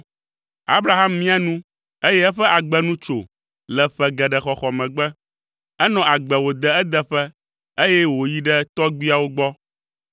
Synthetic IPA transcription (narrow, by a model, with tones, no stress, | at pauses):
a̰˦bɾa˨ɦa˦mːĩ˦a˨nũ˦ | e˦jɛ˦ɛ˦ɸɛ˦ʔa˨ɡ͡bɛ˦nũ˦t͡ʃo˨ | lɛ˨ɸɛ˨ɡɛ˨ɖɛ˨xɔ˨xɔ˨mɛ̃˨ɡ͡bɛ˦ | ɛ˦nɔ̃˨a˨ɡ͡bɛ˨wo˨d̪ɛ˨ɛ˦d̪ɛ˦ɸɛ˦ | e˦jɛ˦wo˨ji˦ɖɛ˦t̪ɔ˦ɡ͡bi˦a˨wo˦ɡ͡bɔ˦